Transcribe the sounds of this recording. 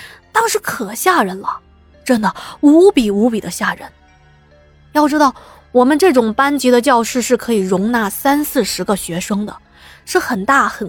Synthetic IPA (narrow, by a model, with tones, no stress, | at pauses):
t̪ɑ˥ŋʂɻ̩˥kʰɤ˨˩ɕja˥˩ɻə˧˥nlə˧ | ʈ͡ʂə˥nd̪ə˨u˧˥pi˨˩u˧˥pi˨˩d̪ə˦ɕja˥˩ɻə̰˧˥n | jɑ˥˩ʊʈ͡ʂɻ̩˥t̪ɑ˥˩ʊ | wɔ˨˩mə˦nʈ͡ʂɤ˥˩ʈ͡ʂʊ˨˩ŋpa˥nt͡ɕi˧˥d̪ə˧t͡ɕjɑ˥˧ʊʂɻ̩˥˧ʂɻ̩˥˩kʰɤ˧˥i˨˩ɻʊ˧˥ŋna˥˩sa˥nsɹ̩˥˩ʂɻ̩˧˥ɡə˧ɕɥɛ˧˥ʂɤ˥ŋd̪ə̰˨ | ʂɻ̩˥˩xə˨˩nt̪a˥˩xə˨˩n